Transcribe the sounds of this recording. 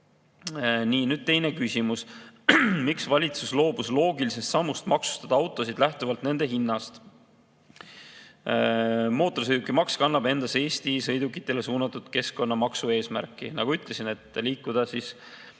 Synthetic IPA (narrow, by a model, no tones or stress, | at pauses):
niːnyd̪̥̚t̪e̞jne̞kysʲimus | miksvɑlʲit̪suslo̞ːb̥uslo̞ːɡilise̞st̪sɑmːust̪mɑksu̥st̪ɑd̪ɑɑwt̪ːˑo̞sid̪̥læht̪uvɑlt̪ne̞nd̪eɦinːɑst̪ | mo̞ːt̪ːˑo̞rsɤjd̪ukːˑimɑkskɑnːɑb̥e̞nd̪ɑse̞ːst̪isɤ̞jd̪ukːˑi̥t̪ːˑe̞le̞suːnɑt̪ːˑud̪̥ke̞sko̞nːɑmɑksue̞ːsmæ̰ɾkːˑinɑɡ̥uyt̪ːˑle̞sine̞t̪ːˑliːkːˑud̪̥ɑsis